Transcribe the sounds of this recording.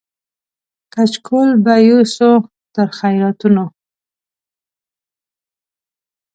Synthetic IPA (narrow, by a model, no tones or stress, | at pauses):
kat͡ʃkʰolbajuso | t̪əɾxajɾɑt̪uno